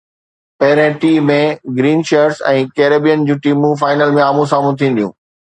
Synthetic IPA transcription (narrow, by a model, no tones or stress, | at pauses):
pɐɦɪɾə̃ʈiːmẽɡɾiːnʃeɾsɛ̰̃ːkeːɾeːbijənd͡ʑũːʈiːmũfaːɪnəlmẽaːmũsaːmũt̪ʰĩːn̆d̪ijṵ̃ː